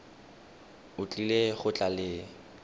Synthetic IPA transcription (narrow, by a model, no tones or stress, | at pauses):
ʊt͡ɬʼileɣʊt͡ɬʼalɪ